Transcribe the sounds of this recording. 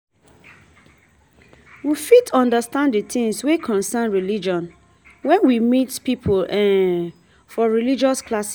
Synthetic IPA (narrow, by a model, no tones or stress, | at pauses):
wifitɔ̃ndəstãndditĩŋswekʰɔ̃nsɛnɹilid͡ʒɔ̃n | wɛ̃nwimitpipʰolɛ̃n | fɔɹilid͡ʒɔsklas